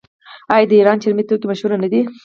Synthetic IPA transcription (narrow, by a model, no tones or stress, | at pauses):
ɑjɑd̪əiɾɑnt͡ʃɪɾmit̪ːək̪imaʃhuɾanad̪i